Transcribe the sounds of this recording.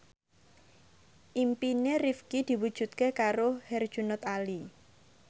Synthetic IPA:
ʔimpinerifkid̪̥i̤wud̥ʒ̥ṳt̪̚kekaɾohɛrd̥ʒ̥ṳnʊt̪ali

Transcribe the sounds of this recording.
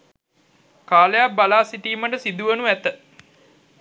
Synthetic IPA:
kaːlejabalaːsiʈiːməʈəsid̪uʋənuʋæt̪ə

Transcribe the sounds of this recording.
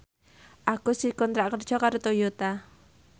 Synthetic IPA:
ʔakusikɔnt̪ɾaʔkərd̥ʒ̥ɔkaɾut̪ojut̪a

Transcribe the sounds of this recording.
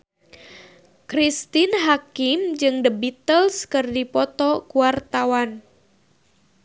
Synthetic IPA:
kɾist̪inɦakimd͡ʒɨŋdəbit̪əlskɨrdipɔt̪ɔkuwart̪awan

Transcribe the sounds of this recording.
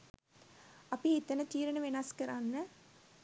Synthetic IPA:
ɐpːɽiɪt̪ːɐnɐt̪iːɾɐnɐʋenaːskːɐɾaːnːɐ

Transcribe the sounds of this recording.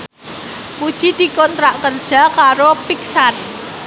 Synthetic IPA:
kud̥ʒ̥id̪̥i̤kɔnt̪ɾaʔkərd̥ʒ̥a̤kaɾopiksan

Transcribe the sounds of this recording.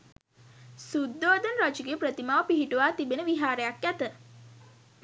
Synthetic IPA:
sud̪ːoːd̪ənɾat͡ʃuɡepɾət̪imaːʋəpiɦiʈuʋaːt̪ibenəʋiɦaːɾəjakjæt̪ə

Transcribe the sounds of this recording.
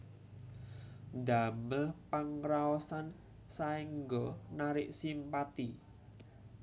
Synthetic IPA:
nd̪a̤məlpaŋɾaɔsan | saiŋɡɔnaɾɪʔsimpat̪i

